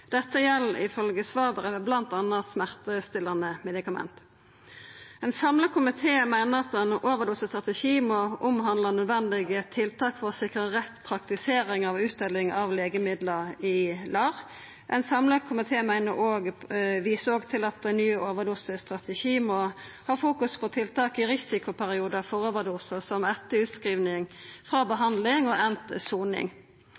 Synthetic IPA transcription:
d̪̥ɛt̪ːəjɛlːɪ̰fœlɡəsʋɑːbəʁəʋɛblɑnt̪ɑnːɑt̪smæʁt̪əst̪ɪlɑnəmɛd̪ɪkɑmɛ̰nt̪ | ɛɪnsɑmləkʰʊmɪt̪ʰeːmæɪnəʁɑt̪̚d̪ɛnoːʋəd̪ʊsəst̪ʁɑt̪əʃiːmɔʔʊmɦɑnd̪lənœd̪ʋɛnd̪ɪɡət̪ʰːɪlt̪ʰɑːkfɔʁɔsɪkʁəʁɛt̪ːpʰʁɑkt̪ɪseːɾɪŋɑʋʉːt̪̚d̪ɛlɪŋɑʋleːɡəmɪd̪ləɪlɑːʁ | ʔɛ̰nsɑmlɑkʰːʊmɪt̪ʰeːmæɪnə̰ʔoːɡʋiːsəoːɡt̪ʰɪlɑt̪̚d̪æɪnyːəʔoːʋəd̪uːsəst̪ʁɑt̪əʃiːmɔ | hɑːfuːkʉspʰɔt̪ʰɪlt̪ɑːkɪʁɪsɪkʊpʰæʁɪuːd̪ɑfɔɾoːʋəd̪uːsəsɔmɛt̪ːəʉːt̪skʁiːʋnɪŋfʁɑːbəɦɑnd̪lɪŋɔʔɛnt̪əsuːnɪ̰ŋ

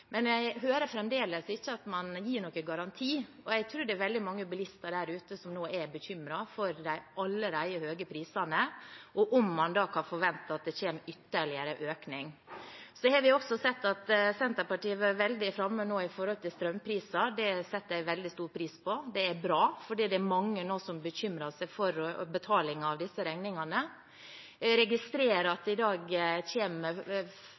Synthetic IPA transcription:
mɛnjæɪɦøːɾəfɾɛmd̪eːləsɪçːəɑt̪mɑnjiːɳɔkːəɡɑɾɑnt̪ʰiː | ɔæɪt̪ʰɾuːɾd̪ɛæɾʋɛld̪ɪmɑŋːəbəlɪst̪ɑɖæɾʉːt̪əsɔmnoːʔæɾbəçʏmɾɑfɔɾd̪æɪɑlːəɾæɪəhøːɡəpʰɾiːsɑnəʔɔʔɔmːɑnd̪ɑːkʰɑnfɔɾʋɛnt̪ɑɑt̪̚d̪ɛçeːmʏt̪ːəɭɪəɾəʔøːknɪŋsɔd̪ɛhɑɾʋɪɔksɔsɛt̪ːɑt̪sɛnt̪əpɑʈiːəʋɑɾʋɛld̪ɪfɾɑmːənoːɪfɔɾhɔlt̪ʰɪlst̪ɾœmpʰɾiːsɑd̪ɛsɛt̪ːəæɪʋɛld̪ɪst̪uːɾpʰɾiːspʰɔd̪ɛæɾbɾɑːfɔɖiːd̪ɛæɾmɑŋːənoːsɔmbəçʏmɾɑsæɪfɔɾbət̪ʰɑːlɪŋɑʋd̪ɪsːəɾɛŋnɪŋɑnə | ɾɛɡɪst̪ɾeːɾɑt̪̚ɪd̪ɑːɡçeːmə

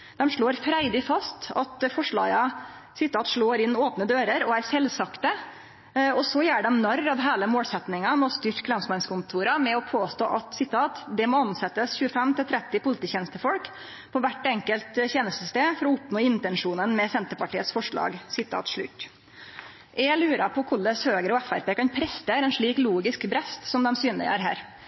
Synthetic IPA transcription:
d̪ɛmʂɭoːɾfɾæɪd̪ɪfɑst̪ɑt̪fɔʂɭɑ̰ːɡɑ | sɪt̪ʰːɑːt̪ʂɭoːɾɪnːoːpnəd̪øːɾəɾɔæɾsɛlsɑkt̪ə | ɔsɔjæːɖɛmnɑɾːɑʋɦæːləmoːlsɛt̪nɪŋɑmɔst̪ʏɾkʰlɑmsmɛnskʊnt̪ʰuːɾɑmɛɔpʰoːst̪o̰ːʔɑt̪sɪt̪ʰɑːt̪d̪ɛmɔɑnsɛt̪ːəsçʉːəfɛmt̪ɪlt̪ʰɾɛt̪ːɪpʊlɪt̪iːçɛːnəst̪əfɔlk | pʰɔʋæʈːɛŋkəlt̪çeːnəst̪əst̪eːfɔɾɔʊpnoːɪnt̪ɛnʂuːnənmɛsɛnt̪əɾpɑʈiːət̪sfɔʂɭɑ̰ːɡsɪt̪ʰɑ̰ːt̪ʂɭʉ̰t̪ː | ʔɛlʉːɾɑpʰɔkʰʊɭəshøːɡəɾɔæfæ̰ɾpeːkɑnpʰɾɛst̪eːɾɛnʂɭiːkluːɡɪskbɾɛst̪sɔmd̪ɛmsyːnlə̰ə̰ɾɦæ̰ːɾ

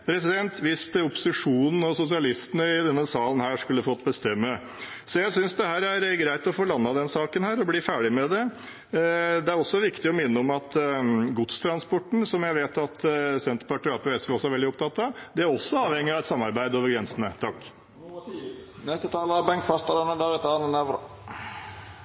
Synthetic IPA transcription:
pʰɾɛs̬ɪd̪ɛnt̪ʋɪst̪ʊpʊ̥sɪʂuːnn̩ɔsʊsɪɑlɪst̪ənəɪd̪ɛnːəsɑːlən̩hæːʂkʉlːəfɔt̪ːbəst̪ɛmːə | sɔjæɪsʏnsd̪ɛhæːɾæɾɡɾæɪt̪ɔfoːlɑnːɑd̪ɛnsɑːkənhæːɾɔbliːfæːɖɪmɛd̪ɛ | d̪ɛæɾɔsːɔʋɪkt̪ɪɔmɪnːəɔmɑt̪ɡʊt̪st̪ʰɾɑnspɔʈːɳ̩sɔmjæɪʋeːt̪ɑt̪sɛnt̪əɾpɑʈɪɑːpʰɛɛsʋɛɔsɔæɾʋɛlɪʊp̚t̪ʰɑt̪ːɑʋd̪ɛæɾɔsːɔɑːʋhɛŋːɪɑʋɛt̪sɑmːɑɾbæɪd̪oːʋəɾɡɾɛnsənət̪ʰɑkː | nɛst̪ət̪ʰɑːləɑbɛŋkfɑst̪əɾənəd̪æɾɛt̪ɑːnənɛʋɾə

